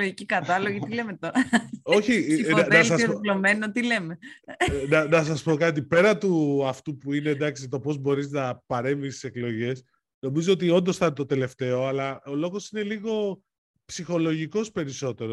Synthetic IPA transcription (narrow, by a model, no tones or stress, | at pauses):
loʝicikɐt̪ɐloʝit̪ilemet̪oɾɐo̞çinɐðnɐsɐslomenot̪ile̞menɐnɐs̬ɐspo̞kɐt̪̬ipe̞ɾɐt̪uɐft̪upuine̞d̪ɐksit̪o̞po̞zbo̞ɾiznɐpɐɾe̞ɱvist̪i̥se̞klo̞ʝe̞s | no̞mizoot̪io̞nd̪osθɐnt̪o̞t̪e̞le̞ft̪e̞o̞ɐlɐolo̞ɣo̞sine̞liɣo̞ | psixo̞lo̞ʝiko̞spe̞ɾiso̞t̪e̞ɾo